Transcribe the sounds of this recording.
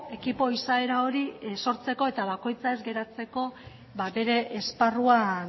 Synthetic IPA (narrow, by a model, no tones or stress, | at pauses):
e̞kipo̞isae̞ɾao̞ɾiso̞ɾt͡se̞ko̞e̞t̪aβ̞ako̞jt͡sae̞zɡe̞ɾat͡se̞ko̞ | βabe̞ɾe̞ʔːsparuan